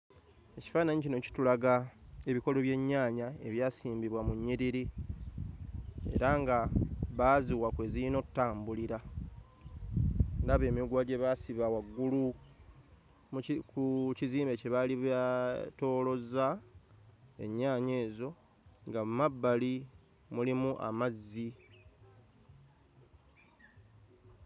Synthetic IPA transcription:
e̞ci̥faːnaɲicino̞ci̥tulaɡae̞βiko̞lo̞βje̞ɲːaːɲae̞βjaːsiːmbiβwamuɲːiɾiɾi | e̞̰ɾaŋɡaβaːziwakwe̞ːziɾino̞tːaːmbuliɾa | ɾaβe̞ːmiɡwaːɟe̞βaːsiβawaɡːulu | mkuciziːmbe̞ceβaliβato̞ːlo̞za | e̞̰ɲːaːɲe̞ːzo̞ | ŋɡamumabːali | mulimuʔa̰mazːi

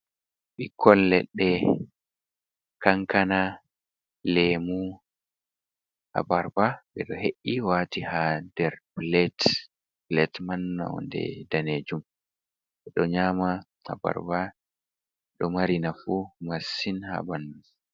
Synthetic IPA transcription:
ɓikʰːɔlːɛ̰ɗːɛ | kaŋkana | lemu | ha̰baɾbaɓɛɗɔheʔːiwaːtihadɛɾblɛt | blɛtmanːa̰wɔ̰ndɛ̰daned͡ʒum | ɓɛɗɔɲaːma | ha̰ba̰ɾba | ɛɗɔmaɾinafumasːinha̰banːu

